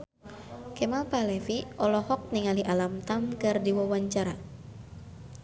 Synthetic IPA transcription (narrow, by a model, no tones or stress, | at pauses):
kemalpalɛfiʔɔlɔhɔk̚niŋaliʔalamt̪amkɨrdiwɔwaɲt͡ʃaɾa